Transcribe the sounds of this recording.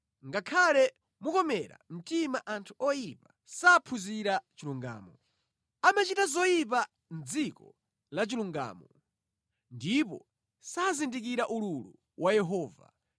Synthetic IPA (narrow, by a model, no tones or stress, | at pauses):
ŋɡakʰalɛ | mukɔmɛɾa̰m̩timaʔantʰuɔjipḁ | saːpʰuziɾat͡ʃiluŋɡa̰ːmɔ | amat͡ʃitazɔjip̬a | nd͡zikɔ̰ | lat͡ʃiluŋɡa̰ːmɔ | ndipɔ̰ | sazindik̬iɾaʔululu | wʔajɛɦɔːva̰